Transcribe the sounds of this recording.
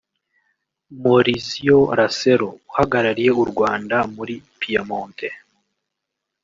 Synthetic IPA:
moɾizijoɾaseɾouhaɡaɾaɾije̞uɾɡwaːndamuɾipiamoːnte

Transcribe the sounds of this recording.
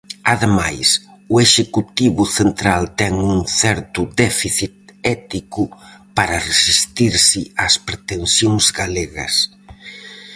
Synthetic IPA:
aðemajsueʃekut̪iβʊθent̪ɾalt̪ɛŋuŋθɛɾt̪ʊd̪ɛfiθit̪̚ɛt̪ikʊpaɾɐresist̪iɾsɪaspɾet̪ensjoŋzɡaleɣɐ̰s

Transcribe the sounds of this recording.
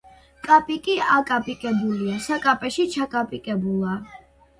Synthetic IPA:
kʼapʼikʼiakʼapʼikʼɛbuliasakʼapʼɛʃit͡ʃʰakʼapʼikʼɛbulˠa

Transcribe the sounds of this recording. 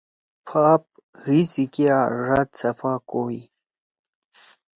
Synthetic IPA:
pʰaːp̚ | hisikiaːʐat̪̚sɐfaːkoːi

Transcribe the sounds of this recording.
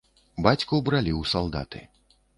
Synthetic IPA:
bat͡sʲkuwbɾalʲiwsalˠd̪a̰t̪ɨ̰

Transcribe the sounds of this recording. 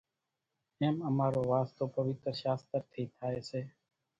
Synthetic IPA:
eːməmaːɾoːʋaːst̪oːpəʋɪt̪ɾəʃaːst̪əɾt̪ʰiːt̪ʰaːeːseː

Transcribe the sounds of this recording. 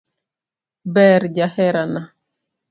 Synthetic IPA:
bɛɾɟahɛɾana

